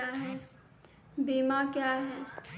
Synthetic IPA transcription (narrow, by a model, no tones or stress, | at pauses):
aɦɛː | biːmakjaɦɛː